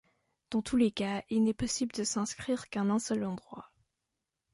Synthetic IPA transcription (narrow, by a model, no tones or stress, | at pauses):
d̪̥ɑ̃t̪ʰulekailnɛpɔsibləd̪əsɛ̃skχiʁkɛ̃nɛ̃sœlɑ̃d̪ʁwa